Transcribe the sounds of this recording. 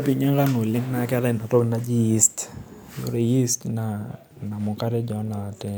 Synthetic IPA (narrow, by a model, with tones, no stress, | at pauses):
pi˨ɲa˦ŋɡa˦no˨lɪ˦ŋna˦kɛ˦ɾɛ˦˨na˨to˦ɡna˦d͡ʒi˦ji˦st | o̰˨ɾe˨ji˦stna˨ | na˨mʊ˨ka˦ɾɛ˦d͡ʒɔ˨na˨a˨tɛ˦